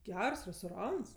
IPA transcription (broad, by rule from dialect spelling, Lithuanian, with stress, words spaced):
ˈɡʲɛrs rʲɛstoːˈrɐns